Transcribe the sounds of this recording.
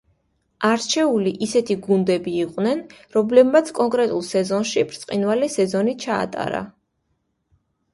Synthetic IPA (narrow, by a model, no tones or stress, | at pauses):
aɾt͡ʃʰɛuliʔisɛt̪ʰiɡund̪ɛbiːqʼwnɛnɾɔmlɛbmat̪sʰkʼɔŋkʼɾɛt̪ʼulˠsɛzɔnʃipʰɾt̪sʼqʼinvalisɛzɔnit͡ʃʰa̰ːt̪ʼa̰ɾa̰